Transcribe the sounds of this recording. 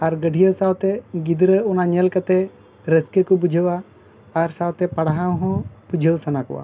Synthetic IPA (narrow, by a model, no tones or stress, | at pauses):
aɾɡəɖʱijəwsawt̪ɛɡid̪ɾəunaɲɛlkat̪ɛ | ɾəskəkubud͡ʒʱəwaː | ɾsawt̪ɛpaɽaɦawɦɔ̃bud͡ʒʱəwsanakɔ̰wa̰